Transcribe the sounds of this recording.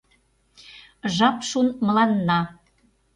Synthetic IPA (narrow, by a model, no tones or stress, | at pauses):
ʒɑpʃunmə̆lɑnːɑ